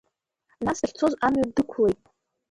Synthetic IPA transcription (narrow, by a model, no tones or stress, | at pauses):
nasɨɬʲt͡sʰo̞zamɥadɨkʷʰle̞jtʼ